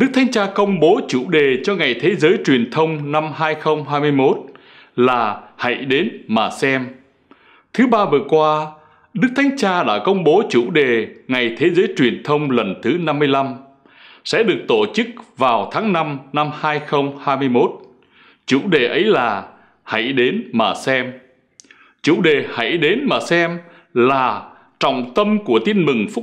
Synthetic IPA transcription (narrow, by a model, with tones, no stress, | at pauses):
ɗɨ˦˥k̚t̪ʰa˨˦ŋ̟t͡ɕaː˧kə˧wŋ͡mɓo˨˦t͡ɕṵ˧˨ɗe˨˩t͡ɕɔ˧ŋa˨˩jt̪ʰe˨˦zəː˨˦jt͡ɕwi˨˩ənt̪ʰə˧wŋ͡mna˧mɦaː˧jxə˧wŋ͡mɦaː˧jmɨ˧jmo˦˥t̚ | laː˨˩ha̰˧˥˨jɗe˨˦nmaː˨˩sɛ˧m | t̪ʰɨ˨˦ɓaː˧vɨ˨˩əkwaː˧ | ɗɨ˦˥k̚t̪ʰjŋ̟t͡ɕaː˧ɗa̰ː˧˥kə˧wŋ͡mɓo˨˦t͡ɕṵ˧˨ɗe˨˩ŋa˨˩jt̪ʰe˨˦zəː˨˦jt͡ɕwi˨˩ənt̪ʰə˧wŋ͡mlə˨˩nt̪ʰɨ˨˦na˧mː˧əjla˧m | sɛ̰˧˥ɗɨ˨˩ək̚t̪o˧˨t͡ɕɨ˦˥k̚vaː˨˩wt̪ʰaː˨˦ŋna˧mna˧mhaː˧jxə˧wŋ͡mhaː˧jmɨ˧əjmo˦˥t̚ | t͡ɕṵ˧˨ɗe˨˩ʔə˨˦jlaː˨˩ | ha̰˧˩˨jɗe˨˦nmaː˨˩sɛ˧m | t͡ɕṵ˧˨ɗe˨˩ha̰˧˩jɗe˨˦nmaː˨˩sɛ˧m | laː˨˩ | t͡ɕɔ̰˧˨wŋ͡mt̪ə˧mku˧˩ət̪i˧ənmɨ˨˩ŋfʊ˦˥